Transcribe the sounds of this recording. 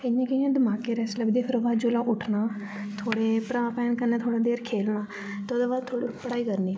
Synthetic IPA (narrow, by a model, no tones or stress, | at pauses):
ɪjãːkəjãːd̪əmaːkeːɾɛːsləbd̪eːpʰɪɾobaːd͡ʒoːlãːʔʊʈʰnaː | t̪ʰoːɽeːpɾaːpɛːnkəɾnaːt̪ʰoːɽaːd̪eːɾkʰeːlnaː | t̪ːoːd̪aːbaːd̪̚t̪ʰːoːɽipəɽaːiːkəɾniː